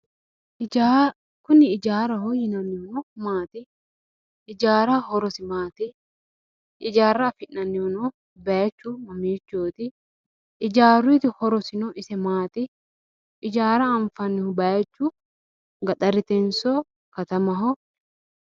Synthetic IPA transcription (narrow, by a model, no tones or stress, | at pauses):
a | kʊnːɪːd͡ʒaːɾɐhɔjːɪnɐnːɪhʊnɔmaːt̪ɪ | ɪd͡ʒaːɾɐhɔɾɔsɪmaːt̪ɪ | ɪd͡ʒaːrːɐfɪʔːɐnːɪhɔnɔ | bɐjɐt͡ʃːʊmɐmiːt͡ʃːoːt̪ɪ | ɪd͡ʒaːɾiːt̪ɪhɔɾɔsɪnɔʔɪsɛmaːt̪ɪ | ɪd͡ʒaːɾɐːɱfɐnːɪhʊbɐjɐt͡ʃːʊ | ɡɐt̪ʼɐɾɪt̪ɛnsɔ | kɐt̪ɐmɐɦɔ